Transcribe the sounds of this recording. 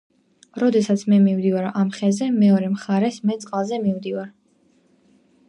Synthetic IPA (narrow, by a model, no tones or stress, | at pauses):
ɾɔd̪ɛsat̪sʰmɛmimd̪ivaɾʔamχɛzɛmɛɔɾɛmχaɾɛsmɛsʼqʼalˠzɛmivd̪ivaɾ